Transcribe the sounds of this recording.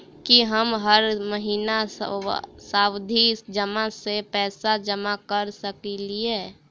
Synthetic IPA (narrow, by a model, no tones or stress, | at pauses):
kiɦəmɦəɾməɦiːna | saːwd̪ʱid͡ʒəmasepɛːsad͡ʒəmakəɾsəkilie